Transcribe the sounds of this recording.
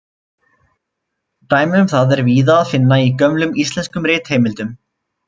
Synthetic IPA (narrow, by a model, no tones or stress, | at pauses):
t̪aːjmɪʏmθaðɛɾviːðaːðfɪnːaicœmlʏmist̪lɛnskʏmɾɪːt̪hejmɪlt̪ʏm